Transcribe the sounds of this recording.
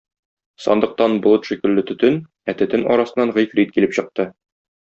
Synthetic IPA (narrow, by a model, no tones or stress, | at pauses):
sɒ̰nd̪ɤ̆q̚t̪ɑnblˠɤt̪ʃikɘ̆lːɘt̪ɵ̆t̪ɵn | æt̪ɘ̆t̪ɘnɒ̰ɾɑsɤ̆nːɑnʁɤjfɾit̪̚kilɘpɕɤ̆q̚t̪ɤ